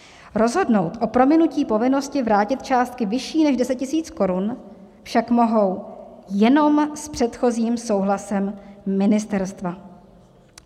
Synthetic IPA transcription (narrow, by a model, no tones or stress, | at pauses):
ɾo̞zɦo̞dno̞wt̪ʔo̞pɾo̞mɪnuciːpo̞vɪno̞scɪvɾaːcɪt̪̚t͡ʃaːst̪̚kɪvɪʃiːnɛʒdɛsɛc̚cɪsiːt͡sko̞ɾun | fʃakmo̞ɦo̞wjɛno̞mspr̝̥ɛt̪xo̞ziːmso̞wɦlasɛmːɪnɪst̪ɛɾst̪va